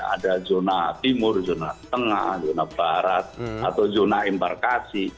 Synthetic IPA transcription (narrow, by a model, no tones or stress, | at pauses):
a̰dad͡ʒonat̪imʊrd͡ʒonat̪əŋa̰hd͡ʒonab̥aɾat̪̚at̪awd͡ʒonaimpa̰rkasi